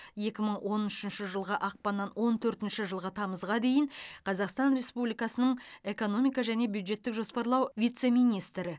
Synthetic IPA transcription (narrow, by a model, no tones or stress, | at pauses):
je̞kʲɪməɴwʔo̞nʏʃɪnʃɪʒəlˠʁəʔɑq̚pɑnːɑnwo̞nt̪ʰɵɾt̪ɪnʃɪʒəlˠʁət̪ʰɑməzʁɑd̪e̞jɪɴqʰɑzɑqst̪ɑnɾe̞spublijkɑsənəɴe̞ko̞no̞mijkɑʒæne̞bjud̪ʒe̞t̪ːɪkʒo̞spɑɾlˠɑwvʲijt̪se̞mijnijst̪ɾɪ